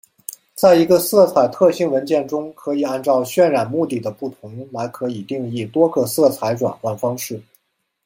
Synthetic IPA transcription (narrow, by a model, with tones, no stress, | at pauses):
t͡sa˥˩ɪi˧˥ɡə˧sɤ˥˩t͡sʰa˨˩ɪt̪ʰɤ˥˧ɕi˥˩ŋwə˧˥nt͡ɕjɛ˥˩nʈ͡ʂʊ˥ŋkʰɤ˧˥i˨˩a˥˧nt͡sɑ˥˧ʊɕɥɛ˥˧˩nɻa˨˩nmu˥˧t̪i˥˩d̪ə˩pu˥˩t̪ʰʊ˧˥ŋla˧˥ɪkʰɤ˧˥i˨˩t̪i˥˧ŋi˥˩t̪wɔ˥ɡɤ˧sɤ˥˩t͡sʰa˧˥ɪʈ͡ʂwa̰˨˩nkwa˥˩nfɑ˥ŋʂɻ̩˥˩